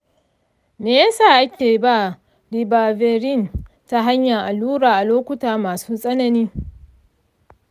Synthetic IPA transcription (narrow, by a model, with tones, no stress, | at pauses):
meː˨ja˦saː˦˨ʔa˦kʲeː˨ba˦ | di˨baː˨ve˨ɾɪ˦˨n | ta˦ɦa˦ɲja˨ŋʔa˨luː˦ɽaː˨ʔa˨loː˦kʷʊ˦taː˨maː˨suː˦sʼɐ˦nɐ˦niː˦